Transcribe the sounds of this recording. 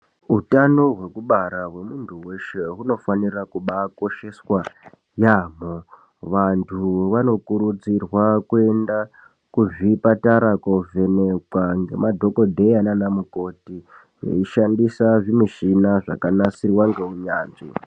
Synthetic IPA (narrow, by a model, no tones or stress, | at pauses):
utanoɦwe̞kuɓaɾaɦwe̞muntʰuwe̞ʃe̞ɦuno̞fanirakuɓako̞ʃe̞swa | jaːmo | ʋantʰuʋano̞kuɾud͡zirwakue̞nda | kuʐipataɾakove̞ne̞kwaŋɡe̞̰madʱo̞ko̞dʱe̞jananamuko̞ti | ʐḛiʃandisaʐimiʃinaʐa̰kanasirwaŋɡeuɲaːnʐḭ